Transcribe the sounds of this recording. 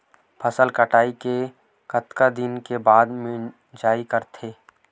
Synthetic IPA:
pʰəsəlkəʈaːike | kət̪kad̪ɪnkebaːd̪mẽ | d͡ʒaːikəɾt̪ʰeː

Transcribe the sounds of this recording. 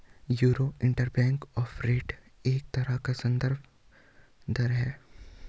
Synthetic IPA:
juːɾoːɪ̃ɳʈəɾbɛ̃ːŋkɔːfʰɾeːʈeːk̚t̪ɐɾakasɐ̃nd̪əɾb | d̪ɐɾɦɛː

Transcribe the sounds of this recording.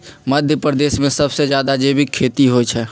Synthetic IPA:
məd̪ʱjəpɾəd̪eːʃmẽsɐbsed͡ʒjaːd̪ad͡ʒeːbʱikʰeːt̪iɦot͡ʃʰɛː

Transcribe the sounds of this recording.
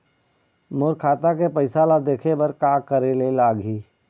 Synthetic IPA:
moːɾkʰaːt̪akepəɪsaːlad̪eːkʰebɐɾkaːkəɾelelaːɡiː

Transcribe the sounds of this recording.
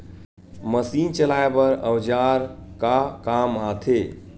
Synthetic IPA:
məsint͡ʃəlaebəɾəwd͡ʒaɾkakamat̪ʰe

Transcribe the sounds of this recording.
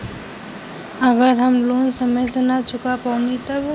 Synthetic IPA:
əɡəɾɦəmloːnsəməjsenat͡ʃʊkapaʊnit̪əb

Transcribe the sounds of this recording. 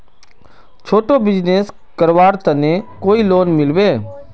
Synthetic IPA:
t͡ʃʰoːʈobɪd͡ʒneːs | kəɾʋaːɾt̪ənẽkoːiːloːnmɪlʋeː

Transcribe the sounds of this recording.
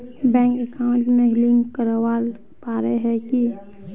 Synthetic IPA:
bɛ̃ːŋkekaʊɳʈmeɦliŋkəɾwal | paɾeɦɛki

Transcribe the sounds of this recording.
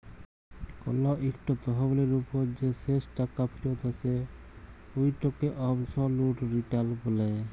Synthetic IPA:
kɔ̰lɔʔikʈɔt̪ɔɦɔbɔleɾupoɾd͡ʑesesʈakapʰiɾot̪ase | ojʈɔkeʔɔbsɔluʈɾiʈalbolaj

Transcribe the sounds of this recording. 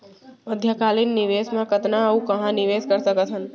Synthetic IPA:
əd̪ʱjakaːlinːɪʋeːsmãkət̪naəũkɐɦãnɪʋeskəɾsəkət̪ɦən

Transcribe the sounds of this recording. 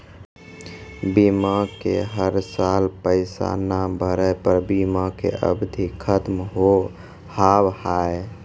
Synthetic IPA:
bimakḛɦəɾsalpəɪsa̰nabʱəɾəpəɾbimakḛʔə̰bd̪ʱikʰət̪mɦo | habhae

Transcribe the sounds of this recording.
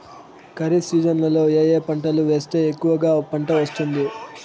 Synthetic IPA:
kɐɾisiːd͡ʒɐnlɐlo̞ːeːjeːpɐɳʈɐluʋe̞ːst̪e̞ːekːuʋɐɡaːpɐɳʈɐʋɐst̪und̪i

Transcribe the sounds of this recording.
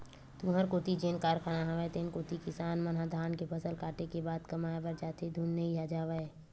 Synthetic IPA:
t̪ũːɦəɾkoːt̪id͡ʒeːnkaːɾkʰaːnaɦɐʋaet̪eːnkoːt̪ikɪsaːnmɐnɦad̪ʱaːnkepɐsəlkaːʈekebaːd̪kɐmaːjbəɾd͡ʒaːt̪ʰed̪ʱuːnːəijaːd͡ʒaːʋəe

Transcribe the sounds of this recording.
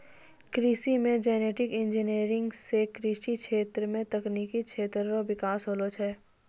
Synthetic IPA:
kɾisimẽd͡ʒɛːneːʈɪkɪ̃nd͡ʒineːɾɪ̃ŋɡsekɾiʃikʰeːt̪ɾəmẽt̪ɐkniːkit͡ʃʰeːt̪ɾəɾoʋɪkaːsɦoːlot͡ʃʰɛː

